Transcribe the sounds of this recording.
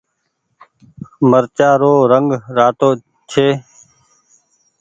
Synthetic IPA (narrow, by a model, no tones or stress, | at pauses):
məɾt͡ʃaːɾoːɾəŋɡɾaːt̪oː | t͡ʃʰeː